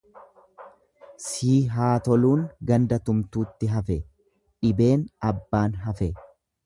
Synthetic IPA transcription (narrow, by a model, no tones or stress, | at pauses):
siːɦaːt̪ɔluːŋɡɐnd̪ɐt̪ʊmt̪uːt̪ːɪɦɐfɛ | ᶑɪbe̞ːnɐbːaːnɦɐfɛ